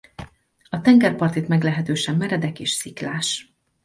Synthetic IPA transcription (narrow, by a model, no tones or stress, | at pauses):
ɒt̪ɛŋɡɛrpɒrt̪it̪mɛɡlɛɦɛt̪øːʃɛmːɛɾɛd̪ɛkeːʃsiklaːʃ